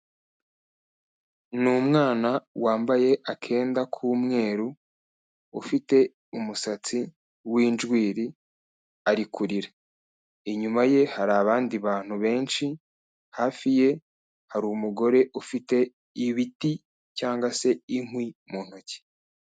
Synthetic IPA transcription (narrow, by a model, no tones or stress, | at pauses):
numŋaːnawaːmbaje̞ʔakʰe̞ːndakʰuːmŋe̞ːɾuː | fite̞ | umusat͡si | wiːnʒɡwiːɾi | aɾikʰuɾiɾa | iɲumaje̞haɾaβaːndiβaːn̥huβe̞ːnʃi | haːfije̞ | haɾumuɡo̞ɾe̞ʔufite̞ | iβiti | caːŋɡwase̞iŋwimuːn̥hoce̥